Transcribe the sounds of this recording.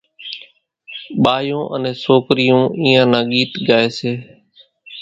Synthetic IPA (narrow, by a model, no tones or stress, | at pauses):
ɓaːjõːʔə̰nẽːsoːkɾɪjõːʔiːãːnãːɠiːt̪ɡaːeːseː